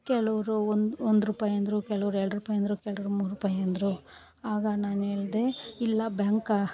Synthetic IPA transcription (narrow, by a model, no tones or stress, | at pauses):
kɛɭɐʋɐɾuond̪ond̪ɾuːpaːjɐnd̪ɾukɛɭɐʋɾuɛɾɐɽɾuːpaːjɐnd̪ɾukɛɭɐʋɐɾumuːɾɾuːpaːjɐnd̪ɾu | aːɡɐnaːneːɭd̪e̞ilːɐbjaːŋkɐ